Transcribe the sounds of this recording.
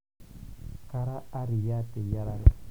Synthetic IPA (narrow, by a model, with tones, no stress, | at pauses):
ka˦ɾa˦a˦ɾi˨ja˦tɛ˨ja˦ɾa˦ɾɛ˦